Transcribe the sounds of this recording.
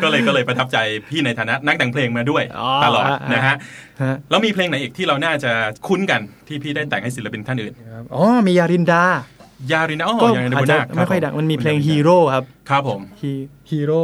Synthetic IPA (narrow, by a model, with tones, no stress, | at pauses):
kɔː˥˩lɤː˧jkɔː˥˩lɤː˧jpɾa˧t̪ʰa˦˥p̚t͡ɕa˧jpʰiː˥˩na˧jt̪ʰaː˧˦na˦˥na˦˥a˩˦ŋpʰleː˧ŋmaː˧du˥˩əjʔɔ˧˦ta˧lɔ̰ː˨˩t̚na˦˥kʰa˦˥ʔ | ha˦˥lɛː˦˥wmiː˧pʰleː˧ŋna˨˦jʔiː˨˩t̪ʰiː˥˩ɾa˧wnaː˥˩t͡ɕa˨˩kʰu˦˥nka˧nt̪ʰiː˥˩pʰiː˥˩da˥˩jt̪ɛ̰ː˨˩ŋha˥˩jsi˨˦la˦˧pi˧nt̪ʰa˥˩nʔɯː˨˩n˦˥ʔɔː˧˥˩miː˧jaː˧ɾi˧ndaː˧jaː˧ɾi˧na˧ʔɔː˧˩ɔ˥˩a˨˧a˧˨˩nmaː˧˥˩kʰːm˦˥˩kʰɔ˥˩jda˧˩ma˧nmiː˧leː˧ŋɦiː˧ɾoː˥˩kʰa˦˥p̚kʰɾa˦˥pʰːo˩˦mi˧ | hiː˧ɾoː˥˩